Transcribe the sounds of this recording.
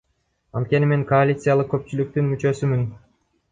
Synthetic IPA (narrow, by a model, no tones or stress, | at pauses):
ɑ̰nt̪̚kʲe̞nime̞ŋko̞alʲit̪sɨjalˠɯq̚kːø̞p̚t͡ʃylyk̚t̪ynmyt͡ʃø̞symyn